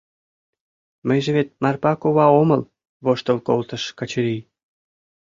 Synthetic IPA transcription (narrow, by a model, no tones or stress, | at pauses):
məjʒĕβet̪̚mɑrpɑkoβɑoməl | βoʃt̪əlkolt̪ə̆ʃkɑt͡ɕəɾij